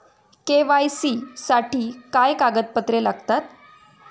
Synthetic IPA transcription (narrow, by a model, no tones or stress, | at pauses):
keʋajsiːsaʈʰiːkajkaɡət̪̚pət̪ɾelaɡt̪at̪